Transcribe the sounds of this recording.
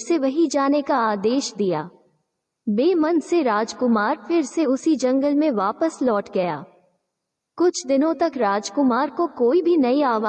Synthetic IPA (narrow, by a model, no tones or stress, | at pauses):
seʋɐɦid͡ʒaːnekaaːd̪eːʃd̪ija̰ː | beːmɐnseɾaːd͡ʒkʊmaːɾfɪɾseʊsid͡ʒɐ̃ŋɡəlmẽʋaːpəslɔːʈɡɐja̰ː | kʊt͡ʃʰd̪ɪnõt̪ɐkɾaːd͡ʒkʊmaːɾkokoːibʱinɐiaːʋaː